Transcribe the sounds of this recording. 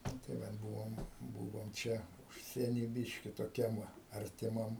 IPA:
ˈnʊ tɐɪ ˈʋɐt ˈbʊʋoːm ˈbʊʋoːm ˈt͡ʃʲɛ ˈʊʃʲsʲiɛnʲiː ˈbʲɪʃʲkʲɪ toːˈkʲɛm ˈʋɐ ɐrʲtʲɪˈmɐm

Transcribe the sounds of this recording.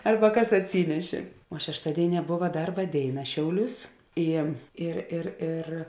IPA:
ˈɐrbɐ ˈkɐs ɐtʲˈsʲiːnʲɛʃʲeː oː ʃʲɛʃˈtɑːdʲeːɪˌnʲiɛ ˈboːʋɐ ˈdɐrbɐ ˈdʲeːɪˌnɐ ˈʃʲɛʊˌlʲuːs ˈɪ ɪr ɪr ˈɪr

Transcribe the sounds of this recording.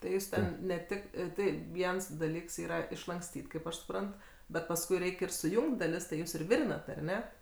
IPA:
tɐɪ ˈjuːs tʲɛn nʲɛ ˈtʲɪk ˈtɐɪ ˈʋʲiɛns dɐˈlʲiːks ˈiːrɐ ɪʃlˠɐŋkˈsʲtʲiːtʲ kɐɪp ˈɐʃ sʊˈprɐnt bʲɛt pɐsˈkʊɪ ˈrʲɛɪkʲ ɪr sʊˈjʊŋktʲ dɐˈlʲɪs tɐɪ ˈjuːs ɪr ˈʋʲɪrʲɪnɐt ɐr ˈnʲɛ

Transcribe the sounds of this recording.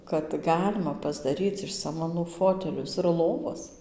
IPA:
kɐt ˈɡɑːlʲɪmɐ pɐzdɐˈrʲiːt͡s ɪʃ sɐmɐˈnuː ˈfoːtʲɛlʲʊs ɪr ˈlˠoːʋɐs

